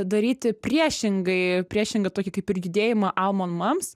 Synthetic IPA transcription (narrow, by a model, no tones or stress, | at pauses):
d̪ɐɾʲiːt̪ʲɪpʲrʲiɛʃʲɪŋɡɐɪpʲɾʲiɛʃʲɪŋɡɐt̪oːkʲɪkɐɪpɪɾjʲɪd̪ʲeːjɪmɐʔɐlˠmoːnmɐms